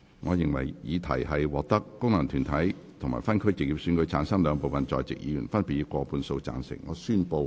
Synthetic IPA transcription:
ŋɔː˨˧jɪ˨ŋwɐ̰˨˩jjiː˨˧t̪ʰɐ̰˨˩jɦɐ˨jwɔː˨k̚t̪ɐ˥kːʊ˥ŋnɐ˨˩ŋt̪ʰyː˨˩nt̪ʰɐ˨˥j | t̪ʰʊ˨˩ŋma̰ː˨˩jfɐ˥nkʰɵ˥ɥt͡sɪ˨k̚jiː˨p̚sy˨˥nkɵ˨˧˥ɥt͡sʰaː˨˥nsɐ˥ŋlœː˨˧ŋpo˨wfɐ˨nt͡sɔ̰ː˨jt͡sɪ̰˨k̚jḭː˨˧jy̰˨˩nfɐ˥npi˨˩iː˨˧kɔː˧pʰuː˧nso˧wt͡sa̰ː˨˩nsɪ̰˨˩ŋ̚ŋɔ̰ː˨˧syː˥npo˧w

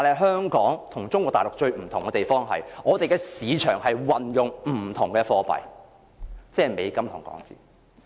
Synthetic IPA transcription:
t̪aː˨nhɐ˨˩ɦœː˥ŋkɔː˨˥ŋt̪ʰʊ˨˩ŋt͡sʊ˥ŋkʷwɔː˧kt̪aː˨lʊ˨k̚t͡ʃɵ˧ɥm̩˨˩t̪ʰʊ˨˩ŋkɛ˧t̪e˨jfɔː˥ŋɦɐ̰˨jŋɔː˨˧t̪e˨jkɛ˧siː˨˧t͡ʃʰœ̰ː˨˩ŋhɐ˨jwɐ˨njʊ˨ŋm̩ː˨˩t̪ʰʊ˨˩ŋkɛ˧fɔː˧pɐ̰˨j | t͡sɛː˥˨me˨˧jkɐ˥mt̪ʰʊ˨˩ŋkɔ̰ː˨˥ŋt͡sḭː˨˩

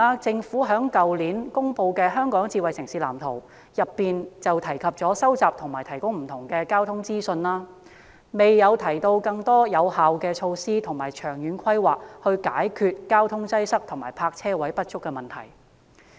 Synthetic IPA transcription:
a˧t͡sɪ˧ŋfuː˨˥ɦœː˨˥ŋkɐ˨wliː˨˥nkʊ˥ŋpo˧wkɛː˧ɦœː˥ŋkɔː˨˥ŋt͡siː˧wɐ˨jsɪ˨ŋsiː˨la̰ː˨˩mt̪ʰo˨˩w | jɐ˨pːiː˨nt͡sɐ˨wt̪ʰɐ˨˩jkʰɐ˨p̚t͡sɔː˨˥sɐ˥wt͡saː˨p̚t̪ʰʊ˨˩ŋmaː˨˩jt̪ʰɐ˨˩jkʊ˥ŋm̩˨˩t̪ʰʊ˨˩ŋkɛː˧kaː˥wt̪ʰʊ˥ŋt͡siː˥sɵ˧nlaː˥ | me˨jːɐ˨˧wt̪ʰɐ˨˩jt̪o˧wkɐ˧ŋt̪ɔː˥jɐ˨˧whaː˨wkɛː˧t͡ʃʰo˧wsiː˥t̪ʰʊ˨˩ŋmaː˨˩jt͡ʃʰœː˨˩ŋjyː˨˧nkʰɐ˥jwaː˨k̚hɵ˧ɥkaː˨˥jkʰyː˧t̚kaː˥wt̪ʰʊ˥ŋt͡sɐ˥jsɐ˥k̚t̪ʰʊ˨˩ŋmaː˨˩jpʰaː˧k̚t͡sʰɛː˥wɐ˨˥jpɐ˥t̚t͡ʃʰʊ˥kːɛː˧mɐ˨nt̪ʰɐ̰˨˩j

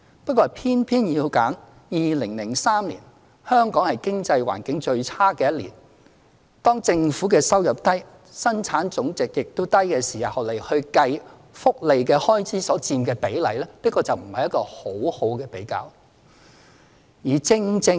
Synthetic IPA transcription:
pɐ˥t̚kɔː˧pʰiː˥npʰiː˥njiː˧wkaː˨˥ŋ | jiː˨˧lɪ˨˩ŋlɪ˨˩ŋsaː˥mlḭː˨˩n | hœː˥ŋkɔː˨˥ŋhɐ˨jkɪ˥ŋt͡sɐ˧jwa̰ː˨˩nkɪ˨˥ŋt͡ʃɵ˧ɥt͡sʰaː˥kɛː˧jɐ˥t̚lḭː˨˩n | t̪ɔː˥ŋt͡sɪ˧ŋfuː˨˥kɛː˧sɐ˥wjɐ˨p̚t̪ɐ˥j | sɐ˥nt͡sʰaː˨˥nt͡sʊ˨˥ŋt͡sɪ˨k̚jɪ˨k̚t̪o˥wt̪ɐ˥jkɛː˧siː˨hɐ˨˩hɐ˨˩le˨˩jhɵ˧ɥkɐ˧j | fʊ˥k̚le˨jkɛː˧hɔː˥jt͡sʰiː˨˥sɔː˨˥t͡siː˧mkɛː˧pe˨˥jlɐ̰˨˩jlɛː˥liː˥kɔː˧t͡sɐ˨wm̩˨˩hɐ˨jɐ˥tkɔː˧ho˨˥who˨˥wkɛː˧pe˨˥jka̰ː˧w | jiː˨˩t͡sɪ˧ŋt͡sɪ˧

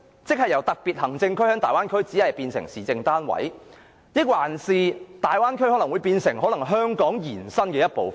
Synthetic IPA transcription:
t͡sɪ˥k̚hɐ˨jɐ˨˩wt̪ɐ˨k̚pi˨t̚hɐ˨˩ŋt͡sɪ˧ŋkʰɵ˥hœː˨˥ŋt̪aː˨jwaː˥nkʰɵ˥ɥt͡siː˨˥hɐ˨˩jpiː˧nsɪ̰˨˩ŋsiː˨t͡sɪ˧ŋt̪aː˥nwɐ̰˨˥j | jɪ˥k̚waː˨˩nsiː˨˧t̪aː˨jwaː˥nkʰɵ˥ɔ˨˥lɐ˨˩ŋwu˨˧jpiː˧nsɪ˨˩ŋɦɔ˨˥lɐ˨˩ŋɦœː˥ŋkɔː˨˥ŋjiː˨˩nsɐ˥nkɛː˧jɐ˥t̚po˨˧w

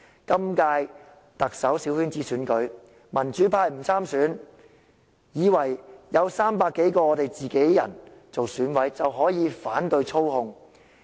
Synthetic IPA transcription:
kɐ˥mkaː˧j | t̪ɐ˨k̚sɐ˨˥wsiː˨˥whyː˥nt͡siː˥syː˨˥nkɵ˨˥ɥ | mɐ˨˩nt͡ʃyː˨˥pʰaː˧jm̩˨˩t͡sʰaː˥msyː˨˥n | jiː˨˧wɐ˨˩jjɐ˨˧wsaː˥mpaː˧kːe˨˥jkɔː˧ɔː˨˧t̪e˨jt͡siː˨ke˨˥jːɐ̰˨˩nt͡so˨wsyː˨˥nwɐ˨˥jt͡sɐ˨wɦɔː˨˥jiː˨˧faː˨˥nt̪ɵ˧ɥt͡sʰo˥whʊ˧ŋ

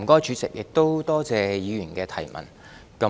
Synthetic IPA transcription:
kɔː˥jt͡ʃʰyː˨˧t͡sɪ˨k̚jʔɪ˨k̚t̪o˥wt̪ɔː˥t͡sɛː˨˧jiː˨˧jyː˨˩nkɛː˧t̪ʰɐ˨˩jmɐ̰˨˩n | kɐ˨˧˥

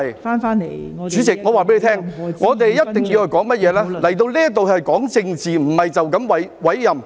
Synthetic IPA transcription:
j | t͡ʃyː˨˥t͡sɪ˨k̚ŋɔː˨˧waː˨pe˨˥le˧tʰɛː˥ŋŋɔː˨˧t̪̬e˨jjɐ˥ttt̪ɪ˨˩ŋji˧whɵ˧jkɔː˨˥ŋmɐ˥t̚jɛː˨˧˥lɛː˥lɐ˨˩jt̪o˧wliː˥jɐ˥t̪o˨whɐ˨jkɔː˨˥ŋt͡sɪ˧ŋt͡siː˨m̩˨˩hɐ˨jt͡sɐ˨wkɐ˨˥mwɐ˨˥jwɐ˨˥jːɐ˨m

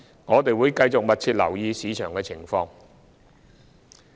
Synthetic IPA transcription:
ŋɔː˨˧t̪e˨jwuː˨˧jkɐ˧jt͡sʊ˨k̚mɐ˨t̚t͡sʰiː˧t̚lɐ̰˨˩wjiː˧siː˨˧t͡ʃʰœː˨˩ŋkɛː˧t͡sʰɪ˨˩ŋfɔː˧ŋ

